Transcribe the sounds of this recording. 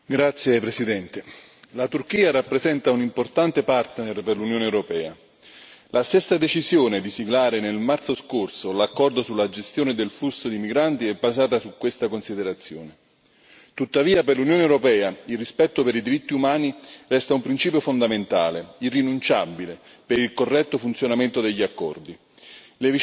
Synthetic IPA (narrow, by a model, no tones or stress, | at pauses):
ɡɾat̪sːjepɾesid̪ɛnt̪e | lat̪urkiːaɾapːɾezɛnt̪aunimport̪ant̪epart̪nerperlunjoːneɛwɾopɛːa | lʔast̪esːad̪et͡ʃizjoːned̪isiɡlaːɾenelmart̪soskorsolakːɔrd̪osulːad͡ʒest̪joːned̪elflusːod̪imiɡɾant̪iɛbːazaːt̪asukːwest̪akonsid̪eɾat̪sːjoːne | t̪ut̪ːaviːaperlunjoːnewɾopɛːailrːispɛt̪ːopeɾid̪iɾit̪ːiumaːnirɛst̪aumpɾint͡ʃiːpjofond̪ament̪aːleirːinunt͡ʃabːile | peɾilkorːɛt̪ːofunt̪sjonament̪od̪eʎːiakːɔ̰rd̪i | le